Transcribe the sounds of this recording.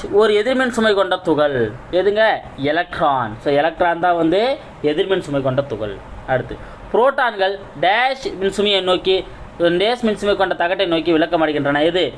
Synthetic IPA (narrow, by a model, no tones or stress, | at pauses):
ɔɾɯɛðɪɾmɛnsʊmɐɪkɔɳɖɐt̪ʊɣɐɭeðɯŋɡɐ | ɛlɐk̚ʈɾaːnsoːɛlɐk̚ʈɾaːnt̪ãːʋɐnd̪ɯ | ɛðɪɾmɛnsʊmɐɪkɔɳɖɐt̪ʊɣɐ̰ɭɐɽɯt̪ːɯ | pɾoːʈːaːnɡɐɭ | ɖeːʂmɪnsʊmɪjɐɪnoːkːi | ɖeːsmɪnsʊmɐɪkːɔɳɖɐt̪ɐɣɐʈːɐɪnoːkːiʋɪɭɐkːɐmaːɽɯɣɪndrɐnɐɛðɯ